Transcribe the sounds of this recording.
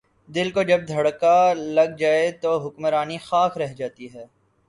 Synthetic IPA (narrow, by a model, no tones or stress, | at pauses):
d̪ɪlkod͡ʒɐb̚d̪ʱɐɽkalɐɡ̚d͡ʒaːet̪oɦʊkmɾaːnixaːkʰɾɛɦd͡ʒaːt̪iɦɛː